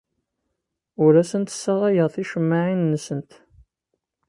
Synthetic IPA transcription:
ʊɾæsənt̪sːæðˤɑjəʁˤθiʃəmːaʕinːəsənt̪

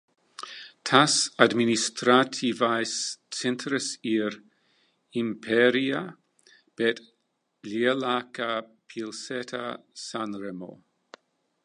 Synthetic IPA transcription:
tʰasadministɾatʰivajst͡sɛntɾəsiɾ | impʰɛɾia | b̥ɛt | lielakapʰilsɛtʰasanɾɛmo̰

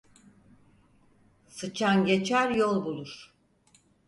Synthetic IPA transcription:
sɯt͡ʃʰanɟet͡ʃʰæɾjolˠbulˠuɾ̥

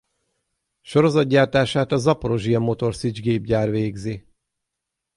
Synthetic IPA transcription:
ʃo̞ɾo̞zɒd̪̚ɟaːrt̪aːʃaːt̪ɒzɒpoɾo̞ʒiɒmːo̞t̪o̞rsid͡ʒɡeːbɟaːrveːɡzi

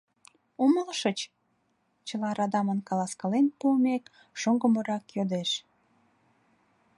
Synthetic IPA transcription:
uməlʃət͡ɕ | t͡ɕəlɑɾɑd̪ɑmənkɑlɑskɑlenpumek | ʃoŋɡəməɾɑkjød̪eʃ

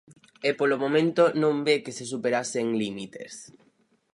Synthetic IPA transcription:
epolomõmẽnt̪onõmbekeses̬upeɾaseŋlimit̪ḛs

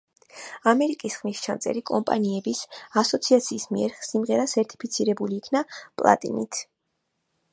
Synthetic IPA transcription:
amɛɾikʼisχmist͡ʃʰant̪sʼɛ̰ɾikʼɔmpʼa̰niɛbisasɔt̪sʰiat̪sʰiːsmiɛɾsimʁɛɾasɛɾt̪ʼi̥pʰit̪sʰiɾɛbuliːkʰnapʼlˠa̰t̪ʼḭnḭt̪ʰ

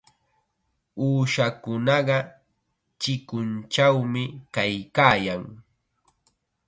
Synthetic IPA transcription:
uːʃakʊnɑɢɑ | t͡ʃɪkʊnt͡ʃawmɪkajkaːjaŋ

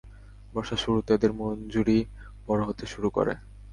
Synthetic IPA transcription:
bɔʃaʃuɾut̪ad̪eɾmond͡ʑuɾi | b̥ɔɾoɦot̪eʃuɾuko̰ɾḛ

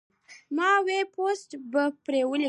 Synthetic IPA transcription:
mɑweposʈbəpɾewəli

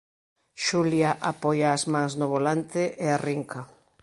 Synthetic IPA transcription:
ʃuljaʔapɔjaːzmãŋznʊβolant̪ɪʔeariŋkɐ

